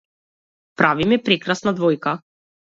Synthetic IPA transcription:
pɾavimɛpɾɛkɾasnad̪vɔjka

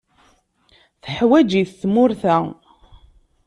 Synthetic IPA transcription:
θəħwæd͡ʒiθθmʊɾθæ

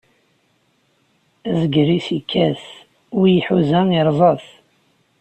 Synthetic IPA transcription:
æzəɡɾisikʰːæs | ʊjiħuzæiɾˤzˤɑθ

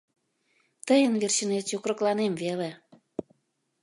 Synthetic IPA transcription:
t̪əjənβerɕənet̪jokɾəklɑnemvele

